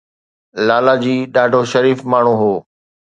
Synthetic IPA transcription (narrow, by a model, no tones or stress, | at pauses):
laːlad͡ʑiːɗaːɖʱoʃɐɾiːfmaːɳ̤ũɦoː